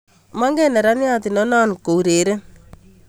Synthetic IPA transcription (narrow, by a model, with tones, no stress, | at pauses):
ma˦ŋɡɛ˦nɛ˨ɾa˦nja˦t̪i˨nɔ˦na˦nko˨u˨ɾe˨ɾe˦